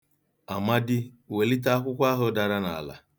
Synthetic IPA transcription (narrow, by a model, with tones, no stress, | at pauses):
a˨ma˦dɪ˦ | we˨li˦t̬a˦a˦kʷʊ˦kʷa˦ɦʊ˦da˨ɾa˦na̰˨la̰˨